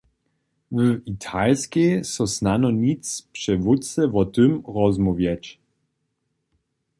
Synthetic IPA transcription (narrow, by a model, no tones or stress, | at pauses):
əit̪ʰalskʲesɔsnanɔnʲit͡s̪pʂɛvutt͡sɛvɔt̪ɨmɾɔzmɔvjat͡ɕ